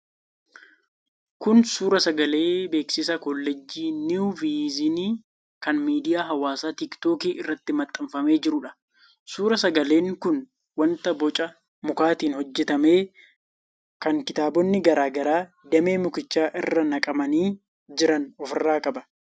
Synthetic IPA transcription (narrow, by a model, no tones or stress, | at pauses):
kʊnsuːɾɐsɐɡɐle̞ːbe̞ːksɪsɐkɔlːɛd͡ʒːiːniviːzɪniː | kɐnmiːd̪ɪjaːɦɐwaːsaːt̪ɪkt̪oːkiːʔɪrːɐt̪ːɪmɐt̪ʼːɪmfɐme̞ːd͡ʒɪɾʊᶑɐ̥ | suːɾɐsɐɡɐle̞ːŋkʊn | wɐnt̪ɐbɔt͡ʃʼɐ | mʊkaːt̪iːnhɔd͡ʒːɛt̪ɐme̞ː | kɐŋkɪt̪aːbɔnːɪɡɐɾaːɡɐɾaː | d̪ɐme̞ːmʊkɪt͡ʃːaːʔɪrːɐnɐkʼɐmɐniː | d͡ʒɪɾɐnɔfɪrːaːkʼɐbɐ̥